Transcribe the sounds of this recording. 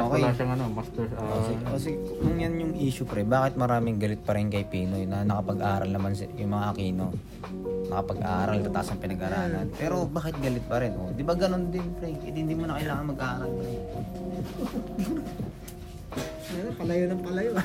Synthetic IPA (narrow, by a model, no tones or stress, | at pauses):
ʔokɛaʃɐŋɐnomast̪ɛɹsaɛkɐsɛnʊŋjanjʊŋʔiːʃʊpɾɛbaːkɪt̪̚mɐɾaːmɪŋɡɐlɪt̪̚pɐɾɪnkɐjpiːnonɐnɐkɐpɐɡʔaːɾɐ̰lnɐmansjʊŋmɐŋaʔɐkiːno̞ | nɐkɐpɐɡ̚ʔaːɾalnɐt̪ɐkɐsɐŋpɪnɐɡʔaɾaːlɐnpɛːɾo̞baːkɪt̪̚ɡɐlɪt̪̚pɐɾɛnʔod̪ɪbaɡɐno̞nd̪ɪnpɾɛjɪt̪hɪnd̪iːmonɐkɐjlaːŋɐnmɐɡʔaːɾɐlpɾɛ | janopɐlɐjonɐŋpɐlɐjo